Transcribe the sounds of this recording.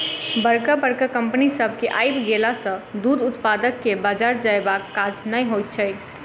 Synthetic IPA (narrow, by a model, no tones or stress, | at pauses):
bəɾkəbəɾkəkəmpənisəbʱkeʔajbɡelasə̃d̪ud̪ut̪pad̪əkːebad͡ʒaɾd͡ʒaebakːad͡ʒnəjɦojt̪̚t͡ʃʰəj